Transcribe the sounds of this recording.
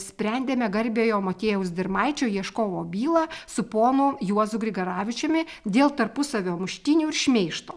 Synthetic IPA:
sʲpʲɾʲɛnʲd̪ʲeːmʲɛɡɐɾʲbʲeːjoːmoːt̪ʲeːjɛʊsd̪ʲɪrmɐɪt͡ʃʲoːjiɛʃkoːʋoːbʲiːlˠɑsʊpoːnʊjuɔzʊɡɾʲɪɡɐɾɑːʋʲɪt͡ʃʲoːmʲɪ | d̪ʲeːlˠt̪ɐɾpʊsɐʋʲoːmʊʃʲt̪ʲɪnʲuːɪɾʃʲmʲeɪʃt̪oː

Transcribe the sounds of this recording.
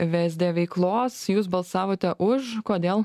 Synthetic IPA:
ʋʲæzʲd̪ʲeːʋʲɛɪklˠoːsjuːs̬bɐlˠsɑːʋoːt̪ʲɛʔʊʃkoːd̪ʲeːlˠ

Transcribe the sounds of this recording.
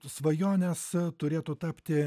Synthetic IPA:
sʋɐjoːnʲɛst̪ʊɾʲeːt̪ʊt̪ɑːpʲt̪ʲɪ

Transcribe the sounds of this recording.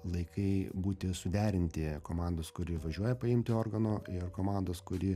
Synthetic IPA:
lˠɐɪkʰɐɪbuːt̪ʲɪsʊd̪ʲæːɾʲɪnʲt̪ʲɪkoːmɑnd̪oːskʊɾʲɪʋɐʒʲuɔjɛpɐɪmʲt̪ʲɪoːrɡɐnoːɪrkoːmɑnd̪oːskʊɾʲɪ

